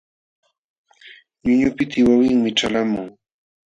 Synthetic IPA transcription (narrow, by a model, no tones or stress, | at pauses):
ɲʊɲʊpɪt̪ɪwawɪŋmɪʈ͡ʂalamʊŋ